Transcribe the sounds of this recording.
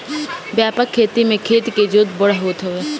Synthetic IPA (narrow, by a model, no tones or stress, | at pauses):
bjaːpəkʰːeːt̪imẽkʰeːt̪iked͡ʒoːt̪̚bəɽaɦoːt̪ɦoeː